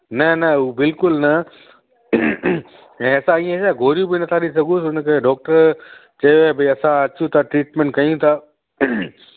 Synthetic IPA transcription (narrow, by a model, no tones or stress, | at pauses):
nɐnɐuːbɪlkʊlnɐ | ɛ̃ːɐsãiẽsaːɡʱoːɾijũbinɐt̪ʰaɗis̬ɐɡʱus̬ʊnkʰeɖɔːk̚ʈəɾt͡ɕɐebɪɐsãɐt͡ɕjũt̪ʰaʈɾiːʈmẽɳʈkɐjũt̪ʰaː